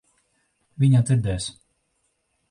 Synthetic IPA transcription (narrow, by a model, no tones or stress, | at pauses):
vʲiɲad̪ziɾd̪ɛːs